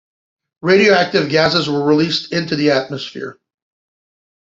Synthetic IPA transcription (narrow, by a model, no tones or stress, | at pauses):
ɹeɪɾioʊæk̚tɨvɡæsɨzwə˞ɹilistʰɪ̃ntʉðiæt̚mɨsfɪ̰ɹ